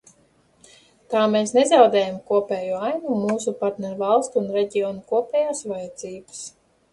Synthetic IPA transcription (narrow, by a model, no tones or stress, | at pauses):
t̪aːmeːsnezawd̪ɛːjamkuɔpʲɛːjuːajnumuːs̬upaɾt̪nɛɾvalˠst̪ːnɾeɟʲiɔːnukuɔpʲɛːjaːsvajɛd̪z̥iːbɨs